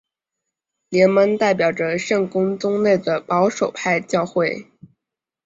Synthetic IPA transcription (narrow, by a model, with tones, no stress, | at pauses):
ljɛ˧˥nmə˧˥nt̪a˥˩ɪpjɑ˨˩ʊʈ͡ʂə˦ʂɤ˥˩ŋkʊ˥ŋt͡sʊ˥ŋle˥˩ɪd̪ə˩pɑ˧˥ʊʂo˨˩ʊpʰa˥˧ɪt͡ɕjɑ˥˧ʊxwe˥˩ɪ